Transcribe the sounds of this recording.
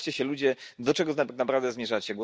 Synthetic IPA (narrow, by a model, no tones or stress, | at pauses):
t͡ɕɛɕɛlud͡ʑɛd̪ɔt͡ʂɛɡɔntknapɾavd̪ɛzmʲjɛʐat͡ɕɛɡwɔ